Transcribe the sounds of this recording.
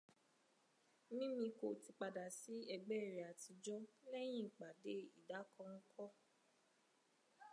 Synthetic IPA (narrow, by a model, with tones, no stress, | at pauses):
nĩ˦mĩ˧ko˨ti˨˧k͡pa˨da˨si˨˦ɛ˧ɡ͡bɛ˦˨ɾe˨a˨ti˧d͡ʒɔ˦lɛ˦j̃ĩ˦˨k͡pa˨de˨˦i˦˨da˨˦kɔ̃˧ŋ̩˦kʰɔ˦